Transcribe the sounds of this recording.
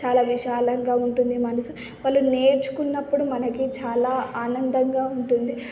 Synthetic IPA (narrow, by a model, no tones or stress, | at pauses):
t͡ʃaːlaːʋiʃaːlɐŋɡaːuɳʈund̪imɐnɐsu | pɐlːune̞ːɾt͡ʃu̥kunːɐpːuɽumɐnɐkit͡ʃaːlaːaːnɐnd̪ɐŋɡaːuɳʈund̪i